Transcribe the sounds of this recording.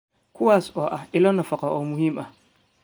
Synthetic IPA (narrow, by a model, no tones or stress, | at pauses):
kʰʊwasɔʔaɪlɔnafakaʔɔmuhimʔa